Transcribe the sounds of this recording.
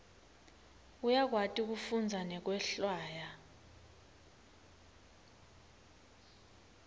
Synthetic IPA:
ujak̬watʼik̬ufund͡zʱanɛk̬wɛɬwaːja

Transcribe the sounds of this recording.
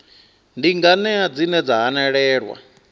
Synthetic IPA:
ndiŋɡanɛad͡zinɛd͡zaɦanɛɺɛːɺwa̰

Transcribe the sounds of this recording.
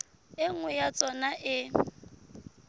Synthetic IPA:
ɪŋ̩wɛjat͡sʼɔnaʔɪ

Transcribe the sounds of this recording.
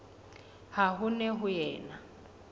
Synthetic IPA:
haɦʊnɛɦʊjɛːna

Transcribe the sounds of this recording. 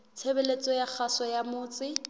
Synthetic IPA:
t͡sʰebelet͡sʼɔjak͡xʰasɔjamʊːt͡sʼɪ

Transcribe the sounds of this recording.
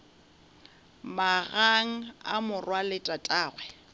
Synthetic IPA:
maɣaŋ̩a̰mʊrwalɪtʼatʼaːɣwɛ

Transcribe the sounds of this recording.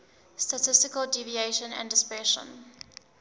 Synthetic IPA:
statʰɪstɪkəlˠdivieʃə̃næ̰̃ndɪspɹɛʃə̰̃n

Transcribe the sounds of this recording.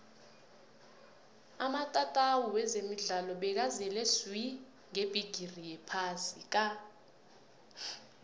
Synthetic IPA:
amatʼatʼawuwɛzemiɮalɔɓɛk̬azɛlɛswi | ŋeb̥ʱiɡ̥ʱirijɛpʰasik̬ʼa

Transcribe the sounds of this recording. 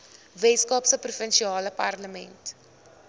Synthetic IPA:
vɛtskɑpsəprufənʃiɑːləpɐ̰rləmɛnt

